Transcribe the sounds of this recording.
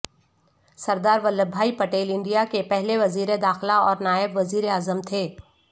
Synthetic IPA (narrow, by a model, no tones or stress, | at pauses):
sɐɾd̪aːɾʋəlːəbʱːaːipɐʈeːlɪ̃ɳɖijakepɛɦleʋɐziːɾed̪aːxlaɔːɾnaːjɪbʋɐziːɾeaːzəmt̪ʰeː